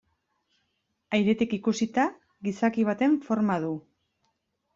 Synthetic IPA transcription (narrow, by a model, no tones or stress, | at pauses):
ajɾe̞t̪ikikusit̪a | ɣisakiβ̞at̪e̞ɱfo̞ɾmað̞u